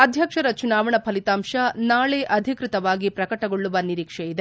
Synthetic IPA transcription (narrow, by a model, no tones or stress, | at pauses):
ɐd̪ʱjɐkʂɐɾɐt͡ʃunaːʋɐɳɐpʰɐlit̪aːmʂɐnaːɭeʔɐd̪ʱikɾɪt̪ɐʋaːɡipɾɐkɐʈɐɡoɭːuʋɐniɾiːkʂejid̪e